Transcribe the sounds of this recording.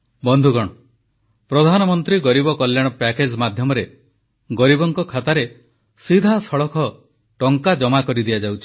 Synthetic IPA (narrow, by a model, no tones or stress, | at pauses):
bɔnd̪ʱuɡɔɽ̃ɔ | pɾɔd̪ʱanɔmɔnt̪ɾiɡɔɾibɔkɔljaɽ̃ɔpɛked͡ʒmad̪ʱjɔmɔɾe | ɡɔɾibɔŋkɔkʰat̪aɾe | sid̪ʱasɔɭɔkʰɔ | ʈɔŋkad͡ʒɔmakɔɾid̪iad͡ʒawt͡ʃʰi̥